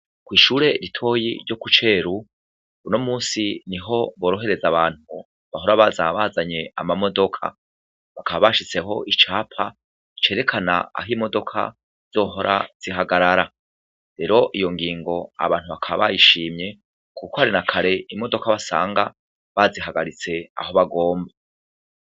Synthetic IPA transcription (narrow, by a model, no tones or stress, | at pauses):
kwiːʃuːɾe̞ɾitʰo̞ːjḭɾɟo̞kut͡ʃe̞ːɾu | uno̞muːsiniɦo̞βo̞ːɾo̞ɦe̞ɾe̞zaβaːn̥hu | βaɦo̞ɾaβazaβazaɲe̞a̰mamo̞do̞kʰa̰ | βakaβaβaʃit͡se̞ɦo̞̰ʔit͡ʃaːpʰa | it͡ʃe̞ːɾe̞kʰana̰a̰ɦiːmo̞do̞kʰa̰ | z̥o̞ːɦo̞ɾʔaz̥iɦaɡaɾaɾa | ɾe̞ɾo̞ʔijo̞ŋɡiːŋɡo̞a̰βaːn̥huβakʰaβaβajiʃiːmɲe̞ | kukohaɾinakʰaɾe̞imo̞do̞kaβasa̰ːŋɡa | βaziɦaɡaɾit͡se̞a̰ho̞βaɡo̞ːmba